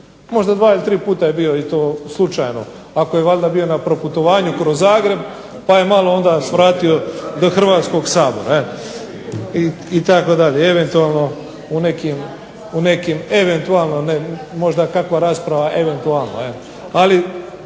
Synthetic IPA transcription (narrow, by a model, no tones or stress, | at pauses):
mo̞ʒd̪ad̪ʋaːilit̪ɾiːpuːt̪aje̞bijoit̪o̞ːslˠut͡ʃajno̞̰ | akojeʋaʎd̪abio̞napɾo̞put̪o̞ʋaːɲukɾozːaːɡɾe̞b̚ | paje̞malˠo̞o̞nd̪asʋɾaːt̪io̞d̪oxr̩ʋaːt̪sko̞ɡsaːbo̞̰ɾae | iit̪akod̪aʎeeʋe̞nt̪ualˠno̞ | une̞kim | une̞kimeʋe̞nt̪ualˠno̞nemo̞ʒd̪akakʋaɾaːspɾaʋaʔeʋe̞nt̪ualˠno̰el | ali